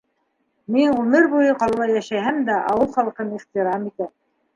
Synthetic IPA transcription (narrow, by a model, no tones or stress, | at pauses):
miŋʉmɘɾbujɤqɑlˠɤlˠɑjæʃæhæmd̪æʔɑ̰wɤlˠχɑlˠqɤniχt̪iɾɑmit̪æ